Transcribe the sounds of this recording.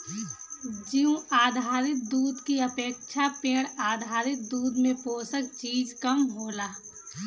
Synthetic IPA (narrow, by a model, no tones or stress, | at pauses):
d͡ʒiũaːd̪ʱaːɾɪt̪̚d̪uːd̪kiəpeːkʃʰapeːɽ̃aːd̪ʱaːɾɪt̪̚d̪uːd̪mẽpoːsəkt͡ʃiːd͡ʒkəmɦoːlaː